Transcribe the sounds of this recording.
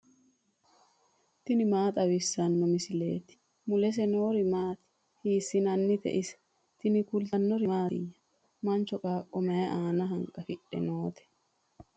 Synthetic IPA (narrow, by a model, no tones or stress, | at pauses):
t̪ɪnɪmaːt̪ʼɐwɪsːɐnːɔmɪsɪlḛːt̪ɪ̥ | mʊlɛs̬ɛnoːɾɪmaːt̪ɪ̥ | hiːsːɪnɐnːɪt̪ɛ̰ʔɪsɛ̥ | t̪ɪnɪkʊlt̪ɐnːɔɾɪma̰ːjːɐ̥ | mɐnt͡ʃɔkʼaːkʼːɔmɐjɛʔaːnɐɦɐŋkʼɐfɪᶑːɛ̰noːt̪ʰɛ̥